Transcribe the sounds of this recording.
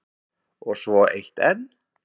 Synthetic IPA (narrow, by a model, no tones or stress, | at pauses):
ɔɣsvɔejht̪ɛnː